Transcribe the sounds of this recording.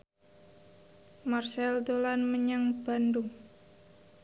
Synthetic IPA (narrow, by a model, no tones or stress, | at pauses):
marsɛld̪olanməɲaŋb̥andʊŋ